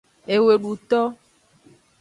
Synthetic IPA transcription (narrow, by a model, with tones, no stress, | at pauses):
e˨we˨ɖu˨t̪ɔ˦